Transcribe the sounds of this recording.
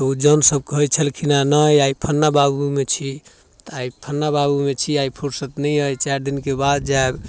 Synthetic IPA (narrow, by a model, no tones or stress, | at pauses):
t̪ud͡ʒənsəb̚kɦəjt͡ʃʰəlkʰinanəjajpʰənːababumet͡ʃʰi | t̪aipʰənːababumet͡ʃʰiaipʰuɾsət̪nəəjt͡ʃaɾd̪inkebad̪̚d͡ʒaeb